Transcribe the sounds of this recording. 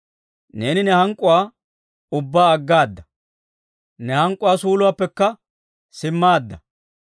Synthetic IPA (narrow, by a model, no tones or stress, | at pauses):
ne̞ːnɪnɛhɐŋkʼːʊwaː | ʊbːaːɐɡːaːd̪ːɐ | nɛhɐŋkʼːʊwaːsuːlʊwaːpːɛkːɐ | sɪmːaːd̪ːɐ